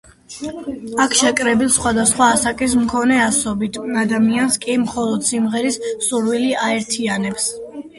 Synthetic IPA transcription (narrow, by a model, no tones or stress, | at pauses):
akʰʃɛkʼɾɛbilˠsχwad̪asχwaːsakʼis̬mkʰɔnɛasɔbit̪ʰad̪amianskʼimχɔlˠɔd̪̥simʁɛɾissuɾwiliaɛɾt̪ʰianɛps